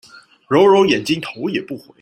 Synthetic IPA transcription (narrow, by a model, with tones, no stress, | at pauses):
ɻo˧˥ʊɻo˧˥ʊjɛ˨˩nt͡ɕi˥ŋt̪ʰo˧˥ʊjɛ˨˩pu˥˩xwe˧˦